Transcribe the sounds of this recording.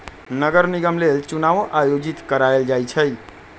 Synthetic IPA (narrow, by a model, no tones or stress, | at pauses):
nəɡəɾniɡəmlelt͡ʃunaʋoʔajod͡ʒit̪kəɾaeld͡ʒajt͡ʃʰəj